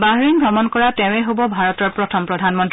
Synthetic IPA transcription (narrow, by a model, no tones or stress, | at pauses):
baɦɹinbɹɔmɔnkɔɹatɛʊ̃ɛɦobɔbʱaɹɔtɔɹpɹɔtʰɔmpɹɔdʱanmɔnti